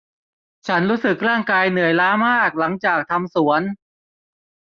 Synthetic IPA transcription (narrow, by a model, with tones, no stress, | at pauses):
t͡ɕʰa˦˥nɾuː˦˥sɯ˨˩k̚ɾaː˥˩ŋkaː˧jnɯ˨˩əjlaː˦˥maː˥˩k̚la˩˦ŋt͡ɕaː˨˩k̚t̪ʰa˧msu˩˦ən